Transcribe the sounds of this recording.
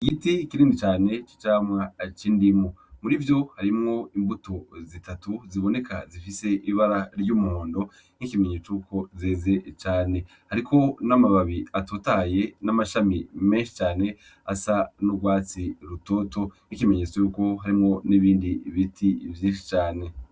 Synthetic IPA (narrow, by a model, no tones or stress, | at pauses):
iɡitikiɾiːndit͡ʃaːne̞t͡ʃi̥t͡ʃaːmwat͡ʃiːndimomuɾivjo̞haɾimŋo̞imbutozitatuziβo̞ne̞kazifise̞ʔiβaɾaɾɟuːmuho̞ːndo̞ | nikimeɲeːt͡ʃuko̞zeːze̞t͡ʃaːne̞ | haɾikʰo̞namaβaβiatotaje̞namaʃamime̞ːnʃi̥t͡ʃaːne̞ | asanuɡwaːt͡siɾuto̞to̞nikimeɲe̞ːt͡sojuko̞ɦaɾimŋo̞niβiːndiβitʰivjiːnʃi̥t͡ʃaːne̞